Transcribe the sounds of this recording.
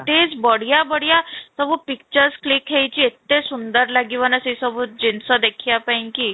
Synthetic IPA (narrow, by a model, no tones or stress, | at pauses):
t̪ed͡zbəɽ̤ijabəɽ̤jasəbupik̚t͡ɕəɾsklikɦejt͡ɕiet̪ːesund̪əɾlaɡiʋanəsisəbuːd͡ʑinsɔd̪ekʰijapainkiː